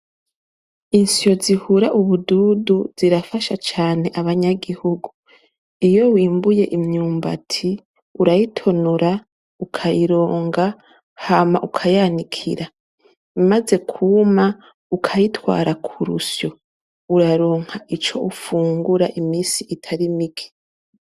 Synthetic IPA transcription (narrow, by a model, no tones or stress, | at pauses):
insio̞zihuɾaʔuβududuz̥iɾafaʃat͡ʃaːne̞ʔaβaɲaɡihuɡu | ijo̞wiːmbuje̞ʔimɲuːmba̰tʰi | uɾajitʰo̞nuɾa | ukʰajiɾo̞ːŋɡa | hamaʔukʰajanikʰḭɾa | βimaze̞kʰuma | ukʰajitwa̰ːɾakʰuɾṵsjo̞ | uɾaɾo̞ːŋ̥haʔit͡ʃo̞ʔufuːŋɡuɾaʔimiːsiʔitʰaɾimiki̥